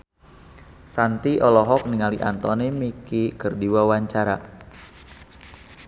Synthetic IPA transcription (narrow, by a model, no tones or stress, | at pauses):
sant̪iʔɔlɔɦɔk̚niŋaliʔa̰nt̪ɔnemikikərdiwawaɲt͡ʃaɾa